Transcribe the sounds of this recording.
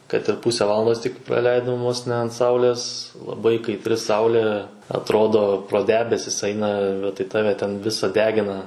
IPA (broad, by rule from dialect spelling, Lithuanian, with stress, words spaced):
kɐt ɪr ˈpʊsʲɛ ˈʋɑːlˠɐndoːs tʲɪk prɐˈlʲɛɪdoːm ʋoːs nʲɛ ɐnt ˈsɐʊlʲeːs lˠɐˈbɐɪ kɐɪtʲˈrʲɪ ˈsɐʊlʲeː ɐtˈroːdoː proː ˈdʲæːbʲɛsʲɪs ˈɐɪnɐ bʲɛt tɐɪ ˈtɑːʋʲɛ tʲɛn ˈʋʲɪsɐ ˈdʲæːɡʲɪnɐ